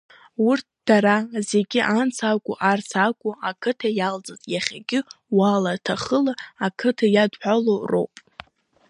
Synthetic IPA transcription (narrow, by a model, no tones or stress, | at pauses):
wʊrtʰd̥aɾaze̞ɡʲɪʔant͡sʰakʷʼuʔart͡sʰakʷʼʊakʰɨtʰajald͡zazʼjaχʲaɡʲɪwalatʰaχəlaːkʰɨtʰajadħʷᶣaloro̰wpʼ